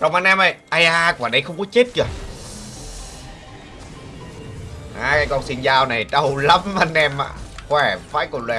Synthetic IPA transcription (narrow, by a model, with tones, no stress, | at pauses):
za˨˩ŋ͡mʔa˧nʔɛ˧mʔə˨˩jʔa˧jʔaː˧ku˨˧˨ɗə˧jxə˧wŋ͡mkɔ˨˦t͡ɕe˦˥t̚kə˨˧˩ | ʔaː˧˩kaː˨˦jkɔ˧nsi˧nzaː˧wna˨˩jɗə˧wla˨˦mʔa˧nʔɛ˧ma̰ː˧˩xwɛ˧˩va̰ː˧˥jkɔ˧˩lwɛ˧˩